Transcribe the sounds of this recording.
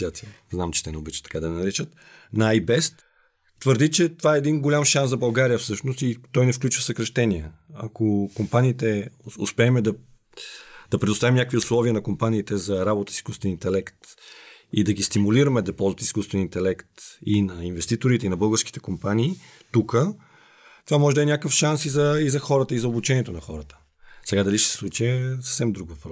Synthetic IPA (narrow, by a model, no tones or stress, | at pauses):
at̪iznamt͡ʃɛ̥t̪ɛnɛobit͡ʃɛt̪ːɐ̥kad̪ɐnɐɾɛt͡ʃət̪ | nɐaajbɛst̪ | t̪vəɾd̪it͡ʃɛt̪ovaɛːd̪inɡolʲamʃanszɐbɐlˠɡaɾijəfsɤʃnost̪it̪ɔjnɛfklʲut͡ʃvəfsəkɾɐʃt̪ɛniəɐkokompaniːt̪ɛʊ̰spɛːmɛd̪ɐ | d̪̥ɐpɾɛd̪ʊst̪avimnʲakvʲiʊslˠɔviənɐkompaniːt̪ɛzɐɾabot̪ə̥sisi̥skust̪vɛnint̪ɛlɛkt̪ | id̪ɐɡist̪imuliɾəmɛd̪ɐpɔlˠzvət̪iskust̪vɛnint̪ɛlɛkt̪inɐinvɛst̪it̪oɾit̪ɛinɐbɤlˠɡəɾsk̟it̪ɛkompanʲiː | t̪ukə | t̪ovamɔʒɛd̪ɐɛnʲakəfʃansizɐizɐxɔɾət̪əizɐobut͡ʃɛnʲiɛt̪onɐxɔɾət̪ə̥ | sɛɡad̪ɐliʃsɛ̥slˠut͡ʃiəsə̥fsɛmd̪ɾuɡəp